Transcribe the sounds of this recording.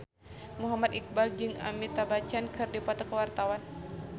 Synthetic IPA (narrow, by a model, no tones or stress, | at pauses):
muɦamat̪ik̚bald͡ʒɨŋa̰mit̪abat͡ʃankɨrdipɔt̪ɔkəwart̪awan